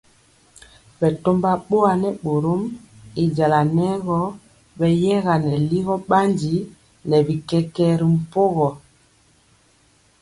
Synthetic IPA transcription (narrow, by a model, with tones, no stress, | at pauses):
bɛ˨to˦mba˦ɓo˦a˨nɛ˦ɓo˨ɾo˦mi˨d͡ʒa˨la˨nɛ˦ɣɔ˦ | bɛ˨jɛ˦ɣa˨nɛ˨li˦ɣɔ˦ɓa˦ndi˨˦ | nɛ˨bi˨kɛ˦kɛ˦ɾi˨m̩˨po˦ɣɔ˨